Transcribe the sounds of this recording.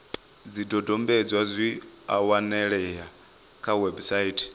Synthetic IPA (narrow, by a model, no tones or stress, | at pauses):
d͡zidɔdɔmbɛd͡zwad͡zʷiawanɛɺɛɦa | kʰawɛbsaitʰi̥